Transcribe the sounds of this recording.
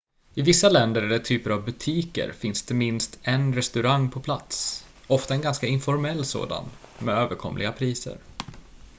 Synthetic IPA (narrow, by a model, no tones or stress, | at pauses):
ɪvɪsːalɛnd̪əɾɛɖ̪ɛt̪ʰyːpəɾavbɵt̪ʰiːkə̰ɾfɪnsd̪ɛmɪnst̪ʰɛnɾɛst̪ɵɾaŋːpʰɔpʰlat̪s | ɔft̪aɛnɡanskaɪnfɔɾmɛlːso̰ːd̪a̰nmɛøːvəɾkʰɔ̰mlɪɡapʰɾiːsə̰ɾ